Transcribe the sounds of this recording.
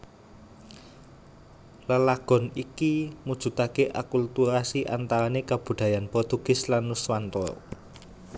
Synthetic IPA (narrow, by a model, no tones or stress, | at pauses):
ləlaɡ̥ɔ̤nikimud̥ʒ̥ṳt̪akeʔa̰kult̪uɾasiʔa̰nt̪aɾanekab̥ṳd̪̥ä̤janpɾɔt̪uɡ̥ɪ̤slanuswant̪ɔ̰